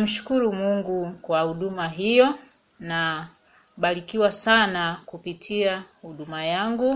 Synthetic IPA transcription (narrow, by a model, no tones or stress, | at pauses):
m̩ʃu̥kuɾumuŋɡukwahuɗumaɦijɔ | na | ɓaɾikiwasanakupitʰiahuɗumajaŋɡu